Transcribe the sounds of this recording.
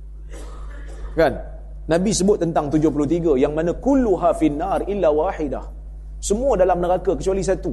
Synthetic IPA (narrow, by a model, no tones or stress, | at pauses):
kanː | ãbisəbʊt̪̚ːənt̪aŋt̪ud͡ʒʊhp̬ulut̪iɡajaŋmãnãkulːuɦafinːarʔilːawaħɪdah | səmũadalamnəɾakakət͡ʃualis̬at̪u